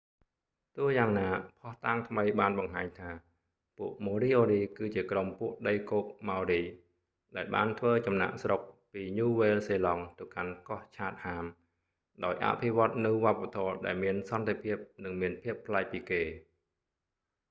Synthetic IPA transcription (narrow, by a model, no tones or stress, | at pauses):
t̪ʊ̆əhjaːŋnaːpʰɑht̪aːŋt̪ʰməjɓaːnɓɑŋɦaːɲt̪ʰaː | puəʔmoːɾiːʔoːɾiːkɨːt͡ɕiəkrompuəʔɗəjkoːk̚mawɾiː | ɗaɛlɓa̰ːnt̪ʰʋəːt͡ɕɑmna̰ʔsrok̚piːɲuːʋeːlseːlɑŋt̪ɨwkankɑht͡ɕʰaːt̪̚haːm | ɗaɔjʔa̰pʰiʋŏət̪̚nɨwʋŏəpːat̪ʰɔəɗaɛlmiənsɑnt̪epʰiəp̚nɨŋmiənpʰiəpʰːlaɛk̚piːkeː